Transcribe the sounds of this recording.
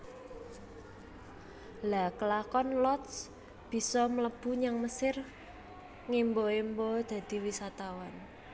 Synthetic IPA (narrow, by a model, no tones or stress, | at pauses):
lakəlakɔnlɔt̪s | b̥i̤sɔmələb̥ṳɲaŋməsɪr | ŋimboimbod̪̥ä̤d̪̥i̤wisat̪awan